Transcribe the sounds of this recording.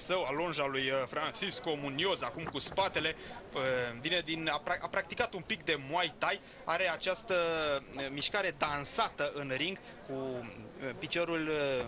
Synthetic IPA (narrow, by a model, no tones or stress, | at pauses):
səwalonʒalujfɾant͡ʃisko̞munio̞zakumkuspat̪e̞le̞ | vine̞d̪inaaʔapɾak̚t̪ikat̪umpik̚d̪e̞mwajt̪aj | a̰ɾe̞at͡ʃast̪ə | miʃkaɾe̞d̪ansat̪əʔɨnɾiŋɡ | ku | pit͡ʃo̞ɾul